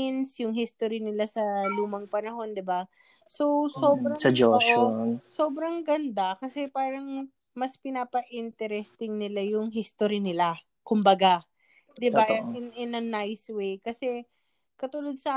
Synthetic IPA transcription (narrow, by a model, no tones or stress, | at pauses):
ɪnsjʊŋɦist̪oɾinɪlasɐluːmɐŋpɐnɐɦo̞nd̪ɪba | so̞soːbɾɐsɐd͡ʒoʃso̞ːbɾɐŋɡɐnd̪akɐsɛpaːɾɐŋ | mɐspɪnaːpɐʔint̪ɛɾɛst̪ɪŋnɪlajʊŋɦist̪oɾinɪla | kʊmbɐɡa | d̪ɪbaɪnɪnɐnajswejkɐsɛ | kɐt̪uːlod̪̚sɐʔaː